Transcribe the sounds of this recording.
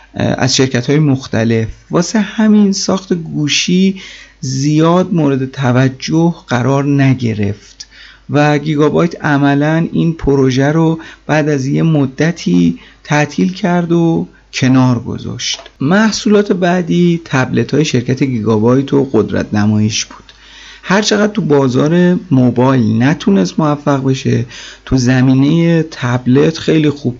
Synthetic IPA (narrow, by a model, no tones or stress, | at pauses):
æ̰zʃe̞ɾcʰæt̪hɒːjemoxt̪ʰæle̞fvɒːsehæminsɒːxt̪e̞ɡuːʃiːzijɒːd̪̚moːɾe̞d̪e̞t̪ʰævæd͡ʒːohɢæɾɒːɾnæɟe̞ɾe̞̰ft̪væɡiɡɒbɒːjt̪ʰæmælæniːnpʰoɾoʒæɾob̥æːd̪æzje̞mod̪ːæt̪ʰiːt̪ʰæʔt̪ʰiːlcʰæɾd̪o | cʰe̞nɒːɾɡo̰zɒ̰ːʃt̪mæhsuːlɒːt̪ʰe̞bæd̪iːt̪ʰæble̞t̪ʰhɒːjeʃe̞ɾcʰæt̪ʰeɡiːɡɒbɒːjt̪ʰo̞ɢod̪ɾæ̰t̪ʰnæmɒːjiʃb̥u̥ːd̪̥ | hæɾt͡ʃʰeɣæd̪̚t̪ubɒːzɒːɾe̞mobɒːjlnæt̪ʰunest̪movæfːæɣbe̞ʃe̞̰t̪ʰuzæmiːnejet̪ʰæble̞t̪ʰxe̞jliːxub̥̚